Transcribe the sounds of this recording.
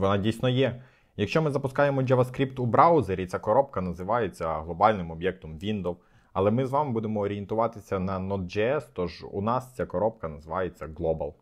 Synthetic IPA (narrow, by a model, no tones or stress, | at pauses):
ʋɔnɑdʲijsʲnɔjɛ | jɐkʃt͡ʃɔmɪzɐpʊskɑjemɔd͡ʒeʋɐskɾʲipt̪ubɾɑwzeɾʲit͡sʲakɔɾɔp̚kɐnɐzɪʋɑjet͡sʲːɐɦlˠɔbɑlʲnɪmɔbʲjɛk̚t̪ɔmʋʲind̪ɔw | ɐlˠɛmɪzʋɑmɪbud̪emɔːɾʲijent̪ʊʋɑt̪ɪsʲɐnɐnɔd̪̚d͡ʒɛɛst̪ɔʒṵnɑst͡sʲakɔɾɔp̚kɐnɐzɪʋɑjet͡sʲːɐɡlˠɔbɐ̰lˠ